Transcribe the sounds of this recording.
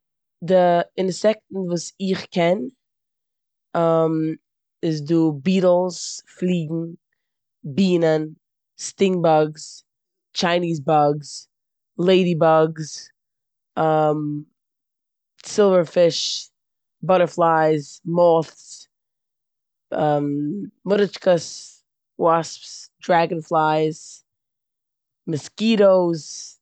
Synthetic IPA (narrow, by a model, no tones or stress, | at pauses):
dɪɪnsɛktn̩vuːsɪχkɛn | am | ɪzduːbiːɾl̩ˠsflˠiːɡŋ̩ | biːnən | stɪŋbaɡs | t͡ʃaɪniːzbaɡs | lˠeɪdibaɡs | ʌm | sɪlˠvə˞fɪʃ | bʌɾə˞flaɪzmɔθs | ʌmːʊɾət͡ʃkəs | wɔspsd̥ɹæɡɨ̃nflˠaɪz̥ | mɨskiːɾoʊz̥